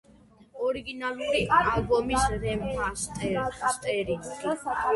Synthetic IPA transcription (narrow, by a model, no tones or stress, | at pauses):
ɔɾiɡinalˠuɾialbɔmisɾɛmast̪ʼɛɾt̪ʼɛɾi